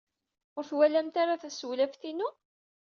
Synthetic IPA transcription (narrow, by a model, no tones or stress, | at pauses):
ʊɾθwælæmt̪aɾaθæswlævθinu